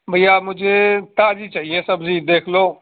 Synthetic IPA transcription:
bʱəjaːmʊd͡ʒʱeːt̪aːd͡ʒiːt͡ʃaːɦiẽːsəbziːd̪eːkʰloː

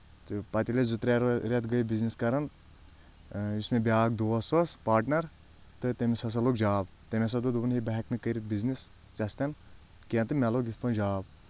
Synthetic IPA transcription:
t̪ɨpɐt̪ʲilezut̪ɾʲaɾɾɛt̪ɡəjbizniskɐɾɐn | ismebʲaːɡd̪oːɐsɐspaːɾʈnɐɾ | t̪ɨt̪emesɐs̬ɐloːkd͡ʒaːb | t̪emes̬ɐd̪ud̪ubɨnɦibɐɦɛknɨkəɾit̪̚biznis | t͡sɐst̪ʲɐn | kiɐ̃nt̪ɨmʲɛloɡit̪ʰpɐnd͡ʒaːb

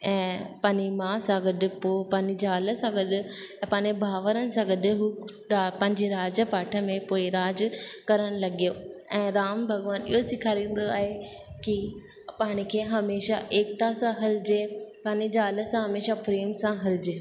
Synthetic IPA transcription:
ɛ̃ːpãːɲimãsãɡɐɗʊ̆poːpãːɲd͡ʑid͡ʑaːləsãɡɐɗʊ̆ | pɐːɲd͡ʑebʱaːʋəɾənɪ̆sãɡɐɗ̆ɦuː | apɐ̃ɦɪ̃ɲd͡ʑeɾaːd͡ʑəpaːʈʰə̆mẽpoːɪɾaːd͡ʑkɐɾəɽ̃lɐɠijoɛ̃ːɾaːmbʱɐɡʋaːnɪ̰ɦosɪkʰaːɾĩːn̆d̪oaːɦeki | paːɽ̃ɪ̆kʰeːɦɐmeːʃa̰ʔeːk̚t̪asãɦɐlɪd͡ʑepaːɲid͡ʑaːlə̆sãɦɐmeːʃafɾeːmsãɦɐlɪd͡ʑeː

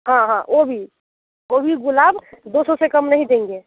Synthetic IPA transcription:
ɦãɦãʔobʱi | obʱiɡulabd̪osõsekəmnəɦĩd̪ẽŋɡe

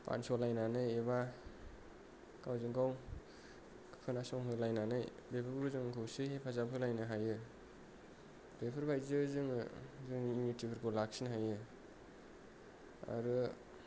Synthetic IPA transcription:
pa̰nsɔlajnanɯjeβa | kawzɯŋɡaw | kʰɯ̥kʰɯnasɔŋɦɯlajnanɯj | bepʰɯɾɡɾuzɯŋkʰɯwsɯhepʰazapʰɯlajnɯɦajɯ | bepʰɯɾbajzɯzɯŋzɯŋiːnitibʰɯɾɡolak̚sinɦajɯ | a̰ɾɯ

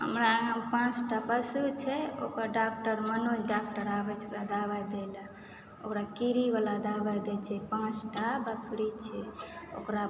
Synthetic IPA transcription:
ɦə̰mɾaəpãt͡ʃʈapəsut͡ʃʰɛo̰kəɖak̚ʈəɾmənot͡ʃɖak̚ʈəɾabɛt͡ʃʰbalad̪abad̪ela | o̰kɾakiɾibalad̪abad̪ɛt͡ʃʰɛpãt͡ʃʈabəkɾit͡ʃʰɛo̰kɾa

